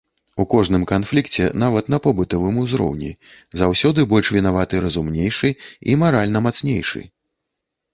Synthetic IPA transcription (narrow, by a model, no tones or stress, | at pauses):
ukɔʐnɨmkanflʲikt͡sʲɛ̰navɐt̪nɐpɔbɨt̪ɔvɨmuzɾɔ̰wnʲḭ | zawsʲɔd̪ɨbɔlʲʂvʲinavat̪ɨɾɐzumnʲejʂɨḭmaɾalʲnɐmat̪snʲejʂɨ̰